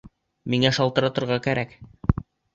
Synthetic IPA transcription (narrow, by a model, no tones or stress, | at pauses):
miŋæʃɑlˠt̪ɤ̆ɾɑt̪ɤ̆ɾʁɑkæɾæk